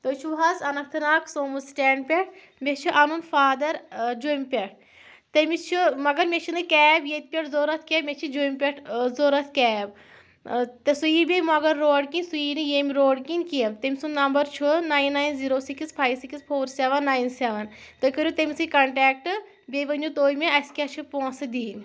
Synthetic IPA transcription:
t̪ot͡ʃʰuʋɦazɐnɐk̚t̪ʰɨnaːkʰsoːmusʈɛːɳɖ̚pʲeʈ̚ʰ | mʲet͡ʃʰuʔɐnunfaːd̪ɐɾd͡ʒoːjmʲpʲeʈ̚ʰ | t̪emit͡ʃʰumɐɡɐɾmʲet͡ʃʰinɨkɛːbjet̪̚pʲɐʈzoːɾɐt̪ʰkʲemʲet͡ʃʰid͡ʒoːjmʲpʲeʈʰzoːɾɐt̪ʰkɛːb | t̪esujiːbʲemɐɡɐɾːoːɽkinʲsujiːnɨjemʲiɾoːɽkinʲkiemt̪emisunːɐmbɐɾt͡ʃʰunaːjnːaːjnziːɾoːsikispʰaːjsikispʰoːɾseʋɐnːaːjnseʋɐnt̪okʲɐɾʲut̪emisɨkɐɳʈɛːk̚ʈɨ | bʲejʋɐnd͡ʒut̪oːjmeɐskʲɐt͡ʃʰupoːnsɨd̪iːnʲ

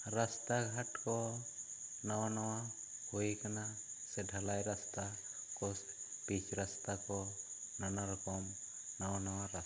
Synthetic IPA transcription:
ɾast̪aɡʱaʈkɔ | nawanawa | hojkana | sɛdʱalajɾast̪a | kɔs | pit͡ʃʰɾast̪akɔ | nanaɾɔkɔm | nawanawaɾa

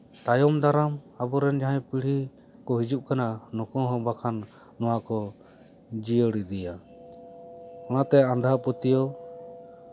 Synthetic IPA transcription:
t̪ajɔmd̪aɾam | abɔɾɛnd͡ʒaɦãjpiɽ̤i | kɔɦid͡ʒuʔ̚kananɔkɔ̃ɦɔ̃bakʰanː | ɔwakɔ | d͡ʒijəɽid̪ɛja | ɔnat̪ɛãnd̪ʱapɔt̪ijɔ

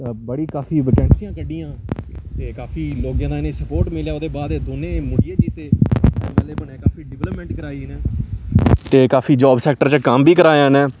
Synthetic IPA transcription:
bəɽiːkaːpʰiːʋɪkɛ̃ːɳsijãːkəɖiːãːt̪eːkaːfʰiːloːɡjãːd̪aːɪnẽːsəpoːɾʈmɪljaːoːd̪eːbaːd̪eːd̪oːnẽːmʊɽiːẽːd͡ʒiːt̪eːɛːmɛːleːbənẽːkaːfiːɖɪʋɛləpmɛ̃ːɳʈkəɾaːiːneː | t̪eːkaːfʰiːd͡ʒɔːbsɛːkʈəɾt͡ʃəkəmbiːkəɾaːjãːnɛː

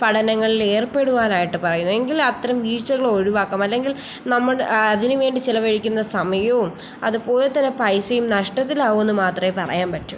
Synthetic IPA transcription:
pɐɽɐnɐŋːɐɭile̞ːrpe̞ɽuʋaːnaːjiʈːɨpɐrɐjunːue̞ŋɡilɐt̪ːɐɾɐmʋiːt͡ɕːɐɣɐɭoɻiʋaːkːɐmɐlːe̞ŋɡil | nɐmːɐɭɐðinɨʋe̞ːɳɖit͡ɕilɐʋɐɻikʲːunːɐsɐmɐjɐʋum | ɐ̰ðupo̞ːlet̪ːɐnːepɐjsɐjumnɐʂʈɐt̪̬ːilaːʋuenːɨmaːt̪rɐmepɐrɐ̰jaːnpɐʈːum

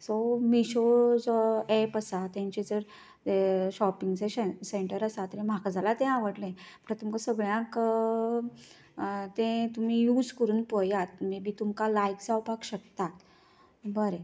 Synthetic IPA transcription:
somiɕod͡zɔɛpəsat̪ãɲt͡ɕed͡zəɾ | eɕɔpiŋɡd͡zeeseɳʈəɾəsat̪əɾẽm̤akad͡zalat̪ẽaʋəɽlẽbəʈat̪umkasəɡɭjãk | t̪ẽt̪um̤iːjud͡zkəɾuːnpəjat̪̚mebʱiːt̪umkalajkd͡zawpakɕək̚t̪at̪ | bəɾe

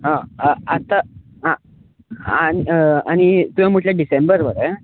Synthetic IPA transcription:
ɦãat̪a | ɦã | aniañit̪uɦãmoʈljaɖisembəɾʋəɾe

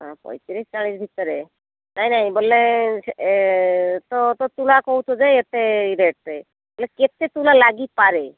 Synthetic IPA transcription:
ɦã̰pɔ̰jt͡ʃiɾest͡ʃaɭiːsbʱit̪əɾe | nainaĩbolːe | t̪ot̪ot̪ulakɔut̪ʰod͡zaet̪eiɾeʈ̚t̪e | boleket̪et̪ulalaɡipaɾe

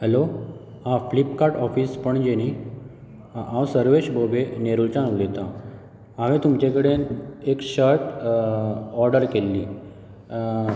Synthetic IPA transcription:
hɛlo | ɦãflipkaɾʈɔfiːspəɳd͡ʑeñi | ãwsəɾʋeɕbʱobeneɾult͡ɕãnulet̪ã | ãʋet̪umt͡ɕekəɽenekɕəɾʈ̪ | ɔɾɖəɾkelːiː

